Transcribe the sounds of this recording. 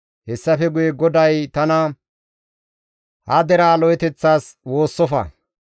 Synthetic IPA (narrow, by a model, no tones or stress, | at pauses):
hɛsːɐfɛɡʊjɛɡɔd̪ɐjt̪ɐnɐ | hɐd̪ɛɾaːlɔjɛt̪ɛt͡sːaːswo̞ːsːɔfɐ̰